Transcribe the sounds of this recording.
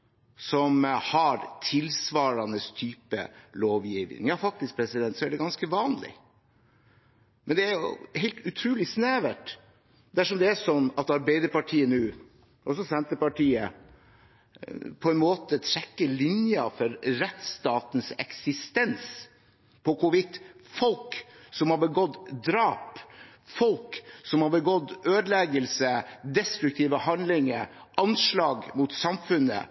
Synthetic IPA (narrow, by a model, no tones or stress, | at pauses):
sɔmhɑɾt̪ʰɪlsʋɑːɾɑnəst̪ʰyːpə̰loːʋjiːʋnɪ̰ŋjɑːfɑk̚t̪ɪsk̚pʰɾɛsɪd̪ɛnt̪sɔæɖɛɡɑnskəʋɑːnlɪ̰ | mʔɛnd̪ɛæɾjʊ̰hɛɪlt̪ʉt̪ʰɾʉːlɪsnæːʋəʈ̪ | d̪æʂɔmd̪ɛæʂɔnːɑt̪ɑɾbeɪd̪əɾpɑʈʰiːənʉː | ʔɔsɔsɛnt̪əpɑʈʰiːə | pʰɔɛnmoːt̪ət̪ʰɾɛkːəlɪnjɑfɔɾɾɛt̪st̪ɑːt̪n̩sɛ̰ksɪst̪ɛns | pʰɔkʊʋɪt̪ːfɔlksɔmhɑɾbəɡɔt̪ːd̪ɾɑːp | fɔlksɔmhɑɾbəɡɔt̪ːøːd̪lɛɡəlsəd̪ɛst̪ɾʉk̚t̪ʰiːʋəhɑnd̪lɪŋəɾ | ʔɑnʂlɑːɡmut̪sɑmfʉnːə̰